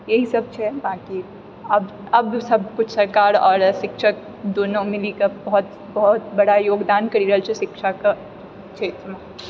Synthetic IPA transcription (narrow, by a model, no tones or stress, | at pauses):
jɐɦisɐb̚t͡ʃʰɛbaːki | ɐb | ɐbsɐb̚kʊt͡ʃʰsɐɾkaːɾɔːɾʃɪkʃək̚ | d̪oːnõmɪlikabɐɦʊt̪ | bɔɦʊt̪̚bɐɽajoːɡd̪aːnkɐɾiɾɐɦəlt͡ʃʰeʃɪkʃaka | t͡ʃʰeːt̪ɾma